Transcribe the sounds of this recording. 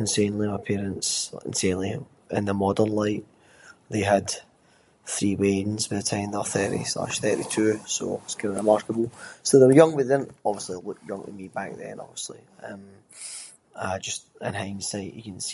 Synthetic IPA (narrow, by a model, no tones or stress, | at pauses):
ə̃nseɪ̃nlˠiməpʰeɹə̃ntsə̰̃nsẽnlˠi | ɪ̰̃nðəmɔdə˞nlˠaɪʔ | ðeəd̪̥ | θɹiːwedⁿn̩zwəðətʰãɪ̃mðə˞θɜ˞ʔḭsa̰ʃθɜ˞ʔitʰʉso̰sɡ̥ɛəɹɪmaɹkəbl̩ˠsoðəwə˞jʌ̃ŋwɪðɪ̃nɔbviəslˠilˠʊkjʌ̃ŋwɪ̰miba̰k̚ðə̰̃nɔ̰bviəslˠḭ | ʌ̃m | əd͡ʒʌstə̰̃nɦãɪ̃ŋsaɪʔə̰kən̩s